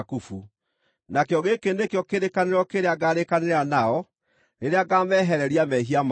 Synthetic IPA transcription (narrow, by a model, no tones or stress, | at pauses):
kufu | nakejɔɣekenekejɔkeɾekaneɾɔkeɾeaɡaːɾekaneɾanaɔ | neɾeaɡaːmɛɦɛɾɛɾiamɛɦiam